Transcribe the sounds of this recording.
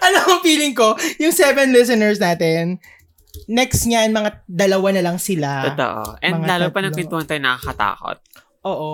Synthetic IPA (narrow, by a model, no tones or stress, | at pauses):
ʔɐnoɐŋfiːlɪŋko̞jʊŋsɛvɛnlɪs̬ɛnɛɹs̬naːt̪ɛnː | ɛkst̪ɲanmɐŋad̪ɐlɐwanɐlɐŋsɪlat̪o̰ʔo̰ʔɛnmɐŋalaːlopɐnɐpɪnuɐnt̪onɐkakɐt̪a̰ːko̰t̪̚ | ʔoːʔo